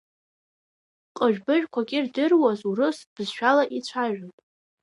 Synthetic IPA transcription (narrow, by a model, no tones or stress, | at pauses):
qʼəʒᶣbɨʒᶣkʷʰaɡʲʼɪrdɨrwazurɨsb̥zʃᶣalaʔit͡ʃʷʰaʒᶣanpʼ